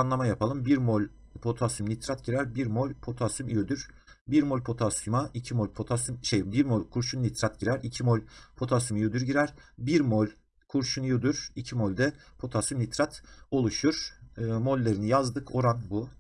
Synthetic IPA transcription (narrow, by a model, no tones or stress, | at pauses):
anlˠamajapʰalˠɯmbiɾmolʲ | pʰo̞t̪ʰasymlʲit̪ʰɾat̪̚ɟiɾæɾbiɾmo̞lʲpʰo̞t̪ʰasymjod̪yɾ̥ | biɾmo̞lʲpʰo̞t̪ʰasumaʔicʰimolʲpʰo̞t̪ʰasymʃejbiɾmolʲkʰuɾʃunlʲit̪ʰɾat̪̚ɟiɾæɾicʰimolʲpʰo̞t̪ʰasymjod̪yɾɟiɾæɾbiɾmolʲ | kʰuɾʃunjod̪yɾ̥icʰimolʲd̪ɛpʰo̞t̪ʰasymlʲit̪ʰɾat̪o̞lˠuʃuɾ̥mo̞lʲːe̞ɾinijazd̪ɯkʰo̞ɾanbu